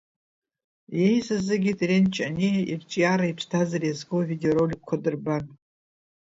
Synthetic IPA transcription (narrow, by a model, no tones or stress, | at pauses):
jejzɨzɨɡʲitʼrent͡ʃʰʼanʲijʔirt͡ʃʼjaɾaipʷʰtʰazarijazɡowvidʲoɾolʲkʷʰːadɨrban